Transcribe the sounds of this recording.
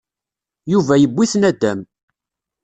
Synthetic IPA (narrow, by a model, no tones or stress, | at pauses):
juvæjəbːiθnæd̪ːæm